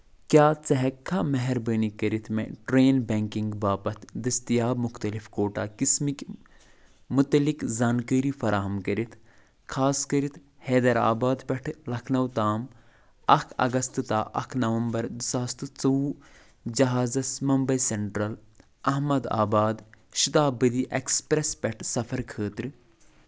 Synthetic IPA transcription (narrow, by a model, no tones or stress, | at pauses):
kʲjaːt͡sɐɦɐkʰːamɐɦɛɾbəːnikɐɾit̪ʰmḛ̃ʈɾeːnbẽːŋkiŋɡbaːpɐt̪ʰd̪ɐst̪ijaːbmuxt̪ɐlifkoːʈaːkismik | mut̪ɐlikzaːnkəːɾifɐɾʔaːɦɐmkɐɾit̪ʰ | kʰaːskɐɾit̪heːd̪ɐɾa̰ːbaːd̪pɐʈʰlɐkʰnɐwt̪aːm | ɐkʰɐ̰ɡɐst̪ɨt̪aːʔɐ̰kʰnɐʋɐmbɐɾd̪isaːst̪ɨt͡sɐu | d͡ʒɐɦaːzɐsmɐmbɐjseɳʈɾɐl | ɐɦmɐd̪a̰ːbaːd̪ | ʃit̪aːbəd̪iʔekspɾespʲɛʈʰsɐfʰɐɾkʰəːt̪ɾɨ